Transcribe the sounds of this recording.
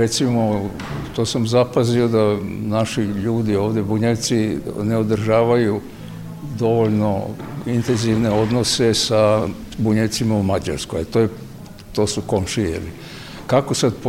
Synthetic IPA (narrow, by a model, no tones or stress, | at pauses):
ɾet̪simo | t̪oːsamzapazio̞d̪anaʃiʎuːd̪io̞ːʋd̪jebuɲet̪sineod̪r̩ʒaːʋaju | d̪o̞ʋoʎno̞int̪enziʋne̞o̞d̪nose̞sa | buɲet̪simaumad͡ʑa̰ɾskojat̪oːje | t̪o̞ːsuko̞mʃijḛli | kakosad̪p